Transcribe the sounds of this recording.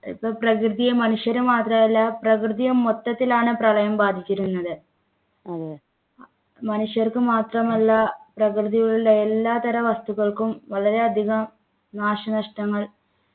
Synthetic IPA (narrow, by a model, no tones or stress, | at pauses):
ḭpːoprɐkrɨðijɐmɐnuʂjɐɾumaːt̪rɐmɐlːɐprɐkrɨðijɐmːot̪ːɐt̪ːilaːɳɨprɐɭɐjɐmbaːd̪ʱit͡ɕːiɾunːɐðɨ | mɐnuʂjɐrkɨmaːt̪rɐmɐlːɐprɐkrɨðijɐɭuɭːɐelːaːt̪ɐɾɐʋɐst̪uɣɐɭkumʋɐɭɐɾe̞ɐd̪ʱiɣɐm | naːʂɐnɐʂʈɐŋːɐɭ